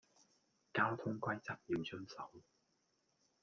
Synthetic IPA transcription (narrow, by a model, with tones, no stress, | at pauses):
kaː˥wt̪ʰʊ˥ŋkʷɐ˥jt͡sɐ˨˥p̚jiː˨˧wt͡sʰɵ˥nsɐ˨˥w